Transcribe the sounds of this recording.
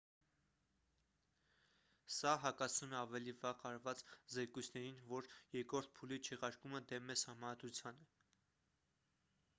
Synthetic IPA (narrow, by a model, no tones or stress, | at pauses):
sɑɦɑkɑsunəɑvɛlivɑʁɑɾvɑt͡szɛkujt͡sʰnɛɾinvɔɾjɛɾkɾɔɾt̪̚ʰpʰulit͡ʃʰɛʁɑɾkuməd̪ɛmɛsɑhmɑnɑd̪ɾut͡sʰjɑnɛ